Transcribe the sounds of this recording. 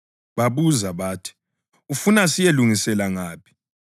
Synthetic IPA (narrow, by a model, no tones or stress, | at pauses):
βaβuzaβaːtʰi̥ | ufunasijeluŋisɛlaŋaːpʰi̥